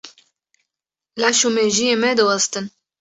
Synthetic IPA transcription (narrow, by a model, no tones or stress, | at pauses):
laʃumeʒijemɛd̪ɨwɑst̪ɨn